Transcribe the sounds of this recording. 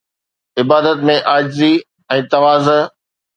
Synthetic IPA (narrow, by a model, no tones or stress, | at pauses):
ɪbaːd̪ət̪mẽʔaːd͡ʑzi | ɛ̃ːt̪ɐʋaːzə